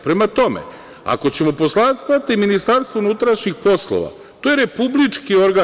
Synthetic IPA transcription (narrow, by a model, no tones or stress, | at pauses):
pɾe̞mat̪o̞mḛ | a̰ko̞t͡ɕe̞mo̞po̞slˠasat̪iminist̪aɾst̪ʋounut̪ɾaʃɲixpo̞slˠo̰ʋa̰ | t̪ojeɾe̞publit͡ʂkio̞ɾɡa